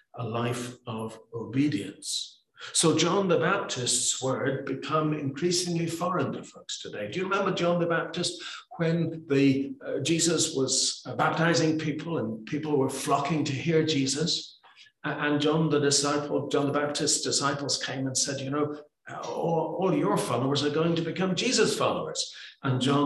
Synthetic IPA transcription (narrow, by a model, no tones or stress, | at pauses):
əlaɪfʌvoʊbiɾiɨ̰̃nsː | oʊd͡ʒɑ̃nðɨbæp̚tʰɪstswɜ˞d̚bɨkʰʌ̃mɪ̰̃nkʰɹ̥isɪ̃ŋlifɔɹɨ̃ndɨfəkstʰɨdeɪdɨjɨɹɨmɛ̃mbə˞d͡ʒɑ̃nðɨbæp̚tɨst̚wɨ̃nðɨd͡ʒizəswʌz̥bæp̚tʰaɪzɪ̃ŋpʰipʰl̩ˠə̃npʰipl̩ˠwə˞flɑkɪ̃ŋtʰɨhiɹd͡ʒizəs | ʔɨ̃nd͡ʒɑ̃nðədɪsaɪpʰl̩ˠd͡ʒɑ̃nðəbæp̚tʰɨstsd̥ɨsaɪpl̩ˠz̥kʰẽɪ̃mə̃nsɛdjɨnoʊ | ɔlˠjə˞fɑlˠoʊə˞zə˞ɡoʊɪ̃ŋtɨbɨkʰʌ̃md͡ʒizəz̥fɑlˠoʊə˞z̥ʔə̃nd͡ʒɑ̃